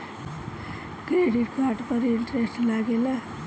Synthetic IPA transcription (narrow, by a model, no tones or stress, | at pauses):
kɾeɽiʈkaʈpʌɾiɳʈɾesʈlaɡela